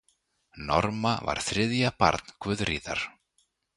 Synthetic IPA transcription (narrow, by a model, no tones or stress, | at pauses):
nɔɾmava̰ɾ̥θɾɪðjapa̰ɾt̪n̥kʰvʏðriːða̰ɾ̥